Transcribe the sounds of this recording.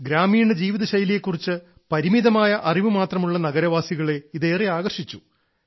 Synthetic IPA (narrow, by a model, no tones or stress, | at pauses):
ɡɾaːmiːɳɨd͡ʑiːʋiðɐɕɐjɐljekːurit͡ɕːɨ | pɐɾimiðɐmaːjɐʔɐriʋɨmaːt̪rɐmuɭːɐnɐɣɐɾɐʋaːsiɣɐɭe̞iðe̞ːriaːɣɐrʂit͡ɕːu